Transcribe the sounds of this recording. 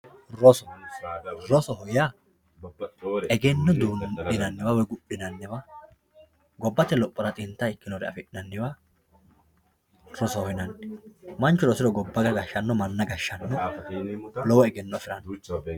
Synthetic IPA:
ɾɔsɔ̥ | ɾɔsɔɦɔja | ɛɡɛnːɔd̪uːnɪnɐnːɪwawɔjɡʊɗɪnɐnːɪwa | ɡɔbːɐt̪ːɛlɔpʼːɔɾɐt̪ʼɪnt̪ːaɪkːɪnɔɾɛɐ̰fɪᶑɪnɐnːɪwaː | ɾɔsɔhɔjnɐnːɪmɐnt͡ʃːʊɾɔsɪɾɔɡɔbːɐɡɐɡɐʃːɐnːɔmɐnːɐɡɐʃːɐnːɔ | lɔwɔɛɡɛnːɔfɪɾɐnː

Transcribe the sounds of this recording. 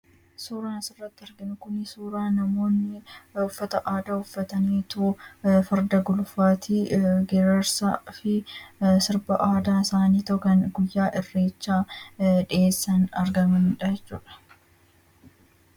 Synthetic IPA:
suːɾaːnɪsɪrːɐt̪ːɪɐɾɡɪnʊkʊnɪsuːɾaːnɐmo̞ːnːɪʊfːɐt̪ɐʔaːd̪aːʊfːɐt̪ɐniːt̪ufɐɾd̪ɐɡʊlʊfaːt̪ʰiːɡɛɾɐɾsa̰fɪsɪɾbɐʔaːd̪aːɪsaːniːt̪ɐʔʊkɐnɡʊjːaːʔɪrːe̞ːt͡ʃːaːᶑɪeːsːɐnɐɾɡɐmɐnᶑɐɛt͡ʃːṵːᶑɐ̥

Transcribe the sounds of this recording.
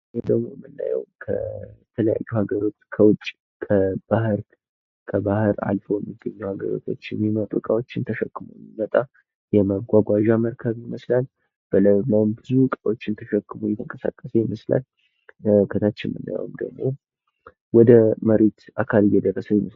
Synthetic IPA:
ed̪əɡmojmːɨnːa̰jɛ̰wkʰə̰jɛt̪ʰələja̰jːuhaɡəɾo̞t͡ʃːkʰəwʊt͡ʃʼi | kʰəb̥ahɨɾ | kʰəbahɨɾa̰lfəwjɛmːiɡːəɲːuhaɡəɾo̞̰t̪ʰo̞t͡ʃːɛmimət̪ʼukʼawot͡ʃːɪnt̪ʰəʃɛkːɨmujmimət̪ʼa | jɛməɡʷaɡʷaʒaməɾkʰəβjɪməslal | b̥ələməmbɨzukʼawo̞t͡ʃːɪnt̪ʰəʃəkːɨmujɛt̪ʰəŋkʼəsa̰kʼːəsəjɪməsla̰l | kʰət̪ʰat͡ʃːɪnmɨ̰nːa̰jə̰wmd̪ə̰ɡmo̞ | wɔd̪əməɾet̪ʔakʰalɨjɛd̪ərːəsəjɪməs

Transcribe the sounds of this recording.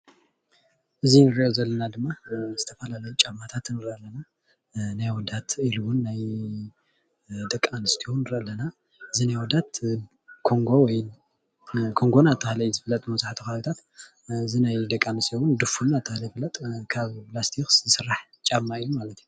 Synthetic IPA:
ʔɨzinɨɾiʔozɐlːɐnad̪ɨmːazɨt̪ʰɐfɐlalɐjut͡ʃʼamːat̪ʰat̪nːɨɾʔlːɐna | najwɔd̪at̪ʰiluwʊnːaj | d̪ɐkʼːanɨst̪ʰiwnːɨɾɐlːɐna | ʔɨzinajwɔd̪at̪ | kʰoŋɡowɔj | kʰo̞ŋɡo̞nat̪ʰːɨhlɐjzɨfɨlɐt̪ʼmɐzaħt̪ʰukaβit̪ʰat̪ | ɨzinajd̪ɐkʼːanɨst̪ʰewʊnd̪ɨfunat̪ʰːahlɐjfɨlɐt̪ʼkʰaβplast̪ʰikszɨsɨrːaħ | t͡ʃʼamaijumalɐt̪ju

